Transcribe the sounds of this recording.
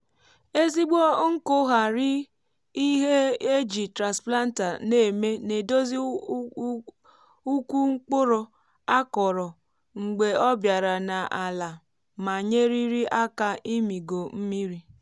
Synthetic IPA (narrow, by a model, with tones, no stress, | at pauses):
e˦zi˦ɡ͡bo˦ŋ̩˦ko˦ɦa˨ɾɪ˦ | i˦ɦe˦e˦d͡ʒi˨tɾa˨spla˦n̩˦ta˨ne˦˨me˦ne˨do˦zi˦ | u˦ku˦ŋ͡m̩˦k͡pʊ˦ɾo˨ | a˦kɔ˨ɾɔ˨ | ŋ̩˨ɡ͡be˨ɔ˦bja˨ɾa˨na˨ʔa˨la˨ | ma˨ɲe˦ɾi˦ɾi˦ʔa˦ka˨i˦mi˨ɡo˨m̩˦mi˦ɾi˦